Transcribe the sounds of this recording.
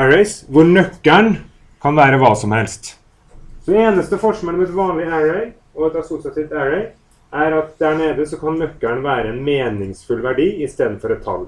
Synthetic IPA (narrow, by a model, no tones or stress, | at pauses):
æɹɛɪsʋʊɾɳœkːæɳ | kʰɑnʋæːɾəʋɑːsɔmhɛlst̪ | sɔd̪ɛeːnəst̪əfɔʂmɪnɔmɛt̪ʋɑːnlɪæɹɛɪ | ɔɛt̪ɑsʊsɪɑt̪ɪʋt̪æɹɛɪ | ʔæɾɑt̪̚d̪æɳeːd̪əsɔkʰɑnːœkːæɳʋæːɾəɛnmeːnɪŋsfʉlʋæɖiːɪst̪eːd̪n̩fɔɾɔt̪ʰːɑ̰l